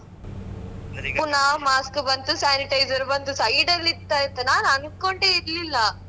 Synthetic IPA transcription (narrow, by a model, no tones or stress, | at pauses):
punamaːskbɐnt̪usaːniʈɐjd͡ʒɐɾbɐnt̪usɐjɖɐlːit̪ːaːjɐt̪ːɐnaːnɐnkoɳɖeiɾlilːɐ